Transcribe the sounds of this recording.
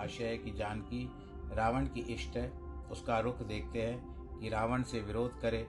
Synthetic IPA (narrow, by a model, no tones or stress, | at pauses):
aːʃəɦkid͡ʒaːnki | ɾaːʋəɳ̃kiʔɪʃʈəʊskaɾʊkʰd̪eːk̚ʰt̪eɦɛ̃ | kiɾaːʋəɳ̃seʋɪɾoːd̪ʱkɐɾeː